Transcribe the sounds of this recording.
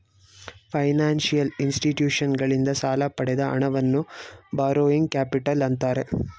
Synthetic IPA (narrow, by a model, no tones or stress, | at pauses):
pʰɐjnaːnʂijɐlinsʈiʈjuːʂɐnɡɐɭind̪ɐsaːlɐpɐɽɛd̪ɐʔɐ̰ɳɐʋɐnːubaːɾoːiŋɡ̚kaːpiʈɐlɐnt̪aːɾe̞